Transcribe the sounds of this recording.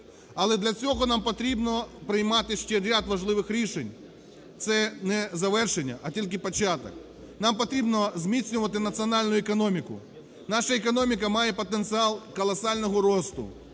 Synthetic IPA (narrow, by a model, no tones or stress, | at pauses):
ɐlˠɛd̪lʲɐt͡sʲɔɣɔnampɔt̪ɾʲibnɔpɾɪjmɑt̪ɪʃt͡ʃɛɾʲad̪ʋɐʒlˠɪʋɪxɾʲiʃenʲ | t̪sɛnɛzɐʋɛrʃenʲːɐ̰ʔɐtʲilʲk̬ɪpɔt͡ʃat̪ɐ̰k | nɑmpɔt̪ɾʲibnɔzmʲit̪sʲnʲʊʋɐt̪ɪnɐt̪sɨɔnɑlʲnʊɛkɔnɔmʲikʊ̰ | nɑʃɐekɔnɔmʲikɐmɑjɛpɔt̪ent̪sɨɑlˠkɔlˠɐsɑlʲnɔɦɔɾɔst̪ʊ̰